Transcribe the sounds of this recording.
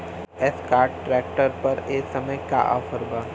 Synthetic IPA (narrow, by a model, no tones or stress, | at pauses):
ɛskaːɾʈʈɾɛːk̚ʈəɾpɐɾeːksɐməjka̰ʔa̰ːfʰəɾbaː